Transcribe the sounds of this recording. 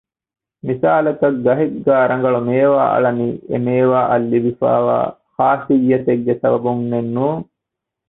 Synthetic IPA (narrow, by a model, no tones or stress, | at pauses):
misaːlɐkɐk̚ɡɐɦeɡɡaːɾɐŋɡɐɭumeːʋa̰ːʔɐ̰ɭɐniːʔḛmeːʋaːʔɐlːibifa̰ːʋa̰ː | haːsijːɐt̪eɡːesɐbɐbuŋnenːuːŋ